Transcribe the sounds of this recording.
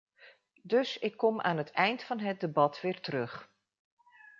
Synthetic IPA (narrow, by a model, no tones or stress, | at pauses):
dɵsɪkːɔmʔa̰ːnɦətʰɛjntfɑnɦət̚dəbɑtʋɪːɹtərɵχ